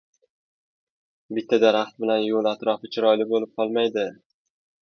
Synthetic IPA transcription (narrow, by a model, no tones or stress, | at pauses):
bɪt̪ʰːad̪aɾaχt̪̚bɪlanjolˠat̪ɾɒfɪt͡ʃʰɪɾɒjlɪbolɪp̚qʰɒlˠmajd̪ɪ